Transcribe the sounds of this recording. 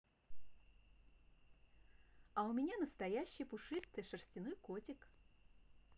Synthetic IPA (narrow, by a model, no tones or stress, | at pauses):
ɐʊmʲɪnʲanəst̪ɐjæɕːɪjpʊʂɨst̪ɨjʂərsʲtʲɪnojkotʲɪk